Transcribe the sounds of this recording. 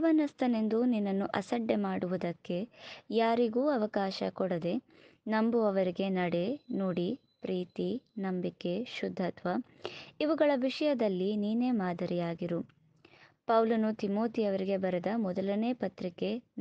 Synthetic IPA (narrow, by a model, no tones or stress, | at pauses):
ʋɐnɐst̪ʰɐne̞nd̪uninːɐnːuʔɐsɐɖːemaːɽuʋud̪ɐkːe̞jaːɾiɡuːɐʋɐkaːʃɐ̰kɔɽɐd̪e̞ | nɐmbuɐʋɐɾiɡe̞nɐɽe̞noːɽi | pɾiːt̪inɐmbike̞ʃud̪ʱːɐt̪ʋɐiʋɐɡɐɭɐʋiʂɐjɐd̪ɐlːiniːne̞ːmaːd̪ʱɐɾijaːɡiɾu | pɐwlɐnut̪imoːt̪ijɐʋɐɾiɡe̞bɐɾed̪ɐmɔd̪ɐlɐne̞ːpɐt̪ɾike̞n